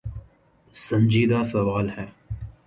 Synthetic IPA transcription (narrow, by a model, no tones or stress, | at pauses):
sɐ̃nd͡ʒiːd̪asɐʋaːlɦɛː